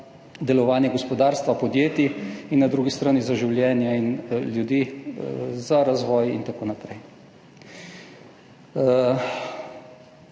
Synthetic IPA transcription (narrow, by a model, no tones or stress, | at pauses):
d̪ɛlɔʋaːnjɛɡɔspɔd̪aːɾst̪ʋapɔd̪jeːt̪iinːad̪ɾuːɡist̪ɾaːnizaʒiwljɛːnjainljud̪i | zaɾazʋɔːjḭnt̪akoːnapɾɛj